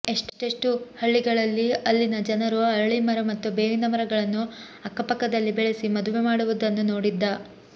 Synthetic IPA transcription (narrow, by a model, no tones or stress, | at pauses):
e̞ʂʈʈeʂʈuhɐɭːiɡɐɭɐlːiɐlːinɐd͡ʒɐnɐɾuɐɾɐɭimɐɾɐmɐt̪ːubeːʋinɐmɐɾɐɡɐɭɐnːu | ɐkːɐpɐkːɐd̪ɐlːibɛɭesimɐd̪uʋemaːɽuʋud̪ɐnːunoːɽid̪ːɐ